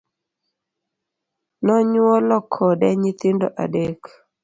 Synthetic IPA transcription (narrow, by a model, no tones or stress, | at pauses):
nɔɲuɔlɔkʰːɔdɛɲit̪ɪndo̰ʔa̰dek